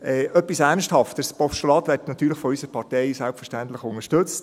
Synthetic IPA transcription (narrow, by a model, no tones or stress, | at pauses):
ʔɛœpːisænsthɑftəspɔfʃɔlɑtʋɛtnɑt̪ːyːɾlɪχfɔysəɾpʰɑrtɛɪsælpfərʃtænt̪lɪχʊnəʃtɵt͡st